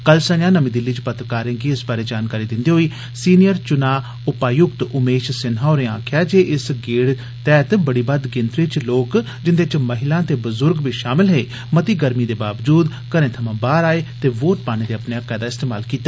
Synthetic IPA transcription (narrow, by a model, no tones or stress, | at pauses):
kəlsə̃ɲãːnəmĩːd̪ɪlːiːt͡ʃpət̪ɾəkaːɾẽːɡiːɪsbaːɾeːd͡ʒaːnkaːɾiːd̪ɪ̃nd̪iːɦoːiː | siːnɪjəɾt͡ʃʊnaː | ʊpaːjʊkt̪ʊmeːʃsɪnɦaːɾeã̰ːkʰjaːd͡ʒeːʔɪsɡeːɽ | t̪ɛːt̪bəɽiːbəd̪ɡɪ̃nt̪ɾiːt͡ʃloːk | d͡ʒɪnd̪et͡ʃməɦɪlãːt̪eːbəzʊɾɡʋiːʃaːmɪlɦeː | mət̪iːɡəɾmiːd̪eːbaːʋd͡ʒuːd̪ | kəɾẽːt̪ʰəmãːbaːɾaːeːt̪eːʋoːʈ̚paːñẽːd̪eːəpnejaːkɛːd̪aːɪst̪eːmaːlkiːt̪aː